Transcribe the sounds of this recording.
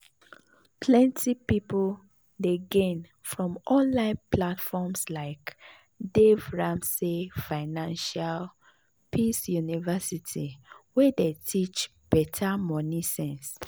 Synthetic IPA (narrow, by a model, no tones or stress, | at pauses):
pʰlɛ̃ntʰipipl | deɡẽn | fɹɔ̃mʔɔ̃nlãɪ̃npʰlatfɔmslaɪk | devɹãmsefaɪnãnʃal | pʰisjunivɛsitʰiwedetʰit͡ʃ | b̥ɛtʰamɔnisɛ̃ns